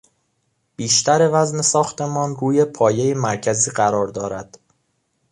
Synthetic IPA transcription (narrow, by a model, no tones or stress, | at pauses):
b̥iːʃt̪ʰæɾe̞væzne̞sɒːxt̪ʰe̞mɒːnruːje̞pʰɒːje̞jemæɾcʰæziːɢæɾɒːɾd̪ɒːɾæd̪̥